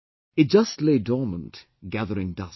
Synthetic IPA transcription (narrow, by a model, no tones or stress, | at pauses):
ɨt̚d̥ʒ̥ʌstˡleɪdɔɹmə̃nt | ɡ̥æðə˞ɪ̃ŋdʌs